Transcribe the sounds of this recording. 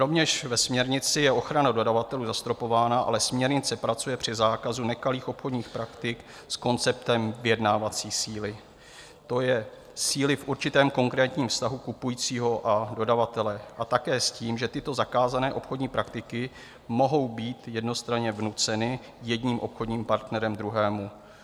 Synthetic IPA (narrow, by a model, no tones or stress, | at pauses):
ɾo̞vɲɛʃvɛsmɲɛɾɲɪt͡sɪjɛo̞xɾanado̞davat̪ɛluːzast̪ɾo̞po̞vaːnaʔa̰lɛsmɲɛɾɲɪt͡sɛpɾat͡sujɛpr̥ɪzaːkazunɛkaliːxʔo̞pxodɲiːxpɾakt̪ɪk | sko̞nt͡sɛp̚t̪ɛmvɪjɛdnaːvat͡siːsiːlɪ | t̪o̞jɛ | siːlɪfʔuɾt͡ʃɪt̪ɛːmko̞ŋkɾɛːt̪ɲiːmfst̪aɦukupujiːt͡siːɦo̞ʔado̞davat̪ɛlɛʔat̪akɛːsciːmʒɛt̪ɪt̪o̞zakaːzanɛːʔo̞pxo̞dɲiːpɾʔakt̪ɪkɪ | mo̞ɦo̞wbiːt̪jɛdno̞st̪ɾaɲɛvnut͡sɛnɪ | jɛdɲiːmʔo̞pxo̞dɲiːmpaɾt̪nɛɾɛmd̪ɾuɦɛːmu